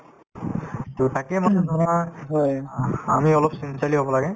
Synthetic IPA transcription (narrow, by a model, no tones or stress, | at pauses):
tutakɛmanɛnɔaɦɔamiɔlɔpsint͡ʃaliɦobɔlaɡɛ